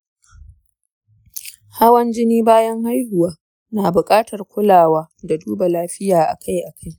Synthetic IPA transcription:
ha˦wɐ˦nd͡ʒɪ˦niː˦baː˦jɐ˦ŋha˦jhʊ˨waː˦ | naː˨bʊ˨kʼaː˦tɐ˨rkʷʊ˦laː˨waː˦da˨duː˦ba˨laː˦ɸɪ˦jaː˨ʔa̰˨kʰa˦jʔa˨kʰa˦j

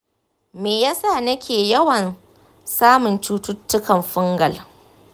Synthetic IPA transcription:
meː˨jaː˦sa˦˨nɐ˦kʲeː˨jɐ˦wɐ˨n | saː˦mʊ˨nt͡ʃuː˦tʊ˦tːʊ˦kɐ˨mɸʊ˦ŋɡɐ˨l

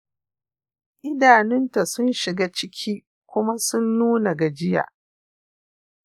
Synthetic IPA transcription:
ʔɪ˦daː˨nɪ˦nta˨sʊ˦nʃɪ˨ɡaː˦t͡ʃɪ˦kʲʰiː˦ | kʷʊ˦ma˦sʊ˦nːuː˦na˨ɡa˨d͡ʒɪ˦ja̰ː˨ʔ

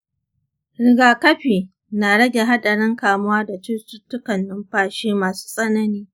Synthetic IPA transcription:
ɾɪ˨ɡaː˨kɐ˦ɸiː˨ | na˨ɽɐ˦ɡʲe˨ɦa˦ɗɐ˨ɽɪ˦ŋkaː˨mʊ˦waː˦da˨t͡ʃɪ˦tʊ˦tːʊ˦kɐ˨nːɪ˦mɸaː˦ʃeː˦maː˨su̥ː˦sʼɐ˦nɐ˦niː˦

